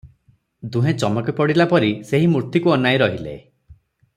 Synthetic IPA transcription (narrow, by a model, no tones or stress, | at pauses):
d̪uɦẽt͡ʃɔmɔkepɔɽilapɔɾiseɦimuɾt̪ikuɔnaiɾɔɦilḛ